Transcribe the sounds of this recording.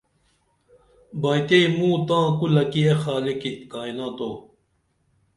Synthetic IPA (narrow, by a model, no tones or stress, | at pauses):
bɐjt̪eimũːt̪ãːkulɐkiexaːlikikaːinãːt̪oː